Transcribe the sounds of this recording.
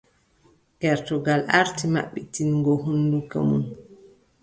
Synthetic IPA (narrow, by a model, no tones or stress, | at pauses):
kɛɾtɔɡalʔaɾtima̰ɓːitinɡɔɦunːduka̰mṵn